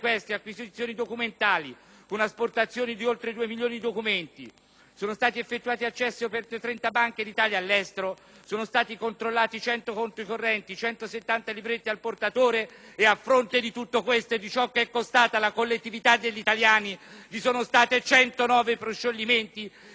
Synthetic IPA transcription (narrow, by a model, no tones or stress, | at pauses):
kwest̪eakwizit̪sːjoːnid̪okument̪aːli | konasport̪at̪sːjoːnid̪iolt̪ɾed̪uːemiljoːnid̪id̪okument̪ḭ | soːnost̪aːt̪iefːet̪ːuaːt̪iat͡ʃːɛsːiopɛrt̪et̪ɾɛnt̪abaŋked̪it̪aːljaːlːɛst̪eɾo | soːnost̪aːt̪ikont̪ɾolːaːt̪it͡ʃɛnt̪okont̪ikorːɛnt̪it͡ʃɛnt̪oset̪ːant̪alibɾet̪ːialport̪at̪oːɾeːafːɾont̪ed̪it̪ut̪ːokwest̪oed̪it͡ʃɔkːeɛkːost̪aːt̪alakolːet̪ːivit̪ad̪eʎːit̪aljaːnivisoːnost̪aːt̪et͡ʃɛnt̪onɔːvepɾoʃːolːiment̪i